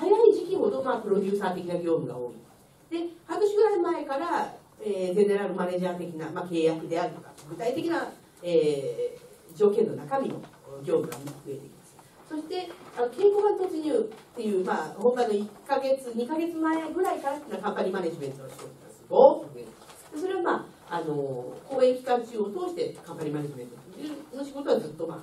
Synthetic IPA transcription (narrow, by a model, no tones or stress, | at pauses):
hajaiʑikʲiho̞d̪o̞maːpɯ̟ɾo̞d͡ʑʲɨːsaːt̪e̞kʲinaɡʲo̞ːmɯ̟ɡa̰o̞ːḭ | d̪̥e̞hakɯ̟ɕiɡɯ̟ɾaimae̞kaɾa | eze̞ne̞ɾaɾɯ̟mane̞ːʑaːt̪e̞kʲinamake̞ːjakid̪e̞aɾɯ̟t̪o̞ka̰ɡɯ̟t̪ait̪e̞kʲina | eː | d͡ʑo̞ːkẽ̞nːo̞nakamʲino̞̰ | ɡʲo̞ːmɯ̟ɡa̰iɸɯ̟e̞t̪e̞kimasɨ̥ | so̞ɕi̥t̪e̞ano̞ke̞ːko̞ːɡat̪ot͡sɨɲɨːt̪ːe̞jɯ̟ːmaːhomkano̞ikːaɡe̞t͡sɨɲ̟ikaɡe̞t͡sɨmaeɡɯ̟ɾaikaɾat̪ːnakãmpaɲʲimane̞ʑimẽ̞nt̪ooɕi̥t̪ok̪iasɨɡot̪ːoɸɯ̟e̞t̪ekd̪̥e̞s̬o̞ɾe̞βamaː | ano̞ko̞ːẽ̞ŋkʲi̥kãnt͡ɕɨːo̞t̪o̞ːɕi̥t̪e̞kãmpaɲʲimaneʑimẽ̞nt̪ot̪ːoɯno̞ɕiɡo̞t̪o̞βazɨt̪ːo̞ma